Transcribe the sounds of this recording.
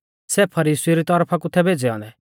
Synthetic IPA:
sɛpʰɐɾiːsiɾit̪ɔɾpʰakʊt̪ʰːɛbʱeːd͡ʒɛɔ̰nɛ

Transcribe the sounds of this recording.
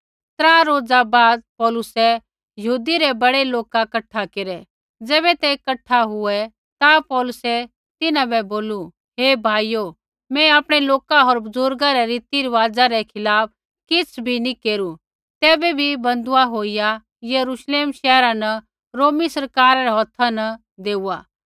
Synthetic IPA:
t̪ɾãːɾoːd͡zabaːd̪̚pɔːlʊsɛ | jɐɦuːd̪iɾɛbɐɽeloːkakɐʈʰːakeɾɛ | d͡zɛːβɛt̪ekɐʈʰːaɦʊɛ | t̪apɔːlʊsɛ | t̪ɪnãbɛboːlu | ɦeːbʱaːijo | mɛ̃aːpɽ̃ɛloːkaɦoːɾbʊzʊɾɡaɾɛɾiːt̪iɾiʋaːd͡zaɾɛkʰɪlaːp̚ʰ | kɪt͡sʰbʱinĩkeːɾu | t̪ɛːbɛbʱibɐ̃nd̪ʊaɦoːija | jɐɾuʃleːmʃɛːɾãnɐ | ɾoːmisɐɾkaːɾaɾɛɦɔːt̪ʰanɐ | d̪eːuːaː

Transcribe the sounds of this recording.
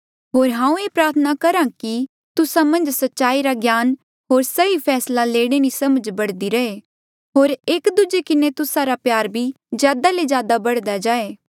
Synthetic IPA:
ɦoːɾɦãːũeːpɾaːɾt̪ʰənakɐɾãki | t̪ʊsãmɐ̃nd͡ʒsɐtːʃaːiɾaɡjaːn | ɦoːɾsɐipʰɛːslaleːɽ̃eɾisɐməd͡ʒbɐɽd̪iɾɐeː | ɦoːɾeːkd̪ud͡ʒekɪnet̪ʊsaɾapjaːɾbʱi | zjaːd̪alezjaːd̪abɐɽd̪ad͡ʒaːeː

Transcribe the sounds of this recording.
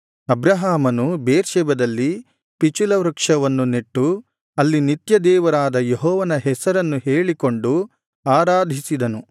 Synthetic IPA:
ɐbɾɐɦaːmɐnubeːɾʃɛːbɐd̪ɐlːi | pit͡ʃulɐʋɾɐkʂɐʋɐnːuniʈːu | ɐlːinit̪jɐd̪ɛːʋɐɾaːd̪ɐjeɦɔːʋɐnɐɦɛsɐɾɐnːuɦe̞ːɭiko̞ɳɖu | aːɾaːd̪ʱisid̪ɐnu

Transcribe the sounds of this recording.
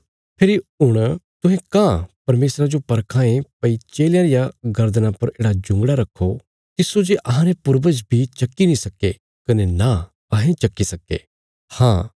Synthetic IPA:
pʰɪɾiɦʊɽ̃t̪ʊ̃ɦẽkãpɐɾmeːsɾad͡ʒopɐɾkʰãːẽpɐit͡ʃeːljãɾɪjaɡɐɾd̪ənãpɐɾeːɽad͡ʒʊ̃ŋɡɽaɾɐkʰːo | t̪ɪsod͡ʒeʔɐɦãɾepʊɾbəd͡ʒbʱit͡ʃɐkːinĩsɐkːe | kɐnena | kãːɦẽt͡ʃɐkːisɐkːḛ | hãː

